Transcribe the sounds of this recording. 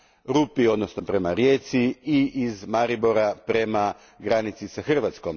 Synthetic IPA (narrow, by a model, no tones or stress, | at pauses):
ɾupio̞d̪nosno̞pɾe̞maɾje̞ːt̪siiizmaɾiboɾapɾe̞ma | ɡɾanit̪sisaxr̩ʋat̪sko̞m